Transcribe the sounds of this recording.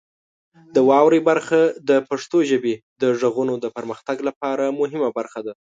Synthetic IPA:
d̪əwɑwɾebaɾxad̪əpaʂt̪oʒəbed̪əʐaɣunod̪əpəɾməxt̪aɡlapɑɾamʊɦɪmabaɾxad̪a

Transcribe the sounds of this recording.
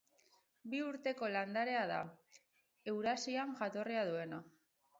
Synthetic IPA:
biuɾt̪e̞ko̞land̪aɾe̞aða̰ | e̞wɾasiaŋʝat̪o̞riaðue̞na

